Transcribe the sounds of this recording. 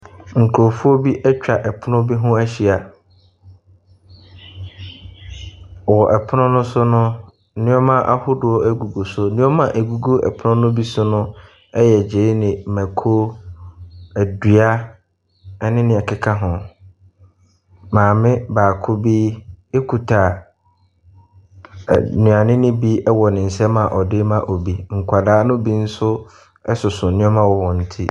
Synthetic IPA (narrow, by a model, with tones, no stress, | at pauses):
ŋ̩˨kʰo˨fu˦ɔ˦bi˦ʔɛ˦t͡ɕᶣa˨ʔɛ˨pʰʊ˦nʊ̃˦bi˦ɦʊ̃˦æ˦ɕi˨a˨ | wɔ˨ʔɛ˨pʰʊ˦nʊ̃˦nʊ̃˦sʊ˦nʊ̃˦ | nɪ̃˦ɔ˦mã˦ʔa̰˦hʊ˦dʊ˨ɔ˦æ˦ɡu˨ɡo˨sʊ˦nɪ̃˦ɔ˦mã˨ʔæ˨ɡu˨ɡo˦ɛ̰˨pʰʊ˦nʊ̃˦nʊ̃˦bi˦sʊ˦nʊ̃˦ | ɛ˦jɛ˨d͡ʑe˨˦nɪ̃˨mæ̃˨kʰo˦ | æ˨dɥa˦ | ɛ˦nɪ̃˦nɪ̃˨ɛ˨kʰɪ˦kʰa˦ɦʊ̃˨ | mãː˨mɪ̃˦baː˨kʰʊ˦biː˦e˦kʰu˨tʰa˨ | nũ˨a˨nɪ̃˦nɪ̃˦bi˦ɛ˦wɔ˨nɪ̃˨n̩˨sɛ˦mã˨ʔɔ˨dɪ˦mã˨ʔɔ˨bi˦ŋ̩˨kʷʰa˨daː˦nʊ̃˦bi˦n̩˦sʊ˦ | ɛ˦sʊ˨sʊ˨nɪ̃˦ɔ˦mã˨wɔ˦wɔ̃˨n̩˨tʰi˦